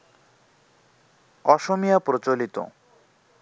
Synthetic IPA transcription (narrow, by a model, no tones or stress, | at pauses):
ɔʃomijapɾot͡ɕolit̪o̰